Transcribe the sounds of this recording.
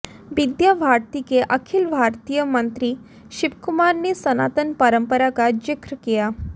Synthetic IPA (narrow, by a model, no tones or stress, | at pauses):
ʋid̪jabʱaɾt̪ikeʔəkʰilbʱaɾt̪ijəmənt̪ɾiː | ɕibkumaɾniːsəna̰t̪ənpəɾəmpəɾakad͡ʑikɾəkeja